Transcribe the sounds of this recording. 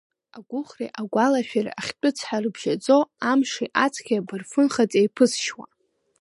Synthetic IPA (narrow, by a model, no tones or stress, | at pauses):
aɡʷʊχrḛʔaɡʷalaʃᶣara̰aχʲt͡pʷʼʊt͡sʰħarɨbʒ̥at͡sʼo̞amʂiʔat͡sʰkʰʲiabɨrfɨnχat͡sʼejpʰɨsʃwa̰